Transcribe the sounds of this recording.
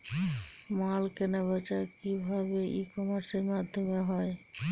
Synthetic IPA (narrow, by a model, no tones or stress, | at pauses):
malkenabɔt͡ʃakibʱabeʔikɔmaɾseɾmad̪ʱːomeɦɔe